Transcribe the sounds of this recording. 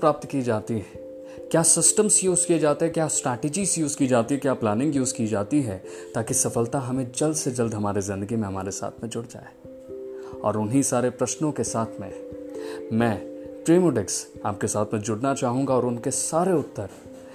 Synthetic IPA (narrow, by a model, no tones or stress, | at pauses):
pɾaːp̚t̪kid͡ʒaːt̪iɦɛ | kjaːsɪsʈəmsjuːzkied͡ʒaːt̪eɦɛkjaːsʈɾɛːʈed͡ʒisjuːzkiːd͡ʒaːt̪iɦɛkjaːplaːnɪ̃ŋɡjuːzkiːd͡ʒaːt̪iɦɛ | t̪aːkisɐfəlt̪aɦɐmẽd͡ʒɐld̪sed͡ʒɐld̪ɦɐmaːɾizɪ̃nd̪əɡimẽɦɐma̰ːɾesa̰ːt̪ʰmẽd͡ʒʊɽd͡ʒa̰ːe | ɔ̰ːɾʊnɦisaːɾepɾɐʃnõkesaːt̪ʰmẽ | mɛ̃ːʈɾiːmoɖɪksa̰ːp̚kesaːt̪ʰmẽd͡ʒʊɽnat͡ʃaːɦũːɡaɔːɾʊnkesaːɾeʊt̪ːəɾ